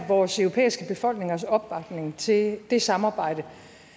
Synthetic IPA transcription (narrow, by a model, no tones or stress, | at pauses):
ʋɒːsøʊʁopʰḛːisɡ̥əb̥e̝fɒ̽l̰ɡ̥neŋɐsɒ̽b̥ːɑ̈ɡ̥ne̝ŋt͡sʰe̝d̥e̝sɑ̈mɑ̈ːb̥ɑ̈ɪ̰d̥ə